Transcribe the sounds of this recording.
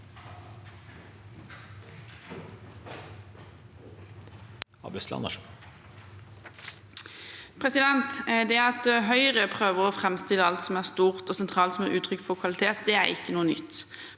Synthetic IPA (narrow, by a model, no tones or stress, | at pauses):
ɑ̰bɛslɑ̰nɑ̰ʃu | pʰʁɛsɪd̪ɛnt̪d̪ɛɑt̪ɦœʏʁəpʰʁøːʋəʁoːfʁɛmst̪ɪləɑlt̪sɔmæːʁst̪uːʁt̪oːsɛnt̪ʰʁɑːlt̪sɔmæʁʉːt̪ʰʁʏkfɔʁkʰʋɑlɪt̪ʰeːt̪̚d̪ɛːæ̰ʁɪ̰kːənuːənʏ̰t̪ː